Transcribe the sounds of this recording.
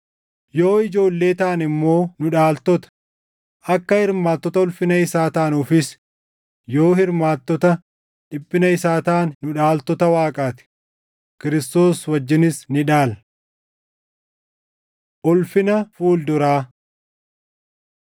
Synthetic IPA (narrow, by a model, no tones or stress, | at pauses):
jo̞ːɪd͡ʒo̞ːlːe̞ːt̪aːnɪmːo̞ːnʊᶑaːlt̪ɔt̪ɐ̥ | ʔɐkːɐhɪɾmaːt̪ːɔt̪ɐʊlfɪnɐɪsaːt̪aːnufɪs | jo̞ːhɪɾmaːt̪ːɔt̪ɐ | ᶑɪbːɪnɐɪsaːt̪aːnːʊᶑaːlt̪ɔt̪ɐwaːkʼaːt̪ɪ̥ | kɪɾɪst̪o̞ːswɐd͡ʒːɪnɪsnɪᶑaːl | ʔɔlfɪnɐfuːld̪ʊɾaː